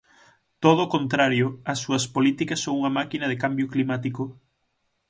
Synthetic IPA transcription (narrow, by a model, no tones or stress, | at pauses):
t̪oð̞oːkont̪ɾaɾjʊɐsːuɐspolit̪ikɐsːõŋuŋɐmakinɐðekambjʊklimat̪ikʊ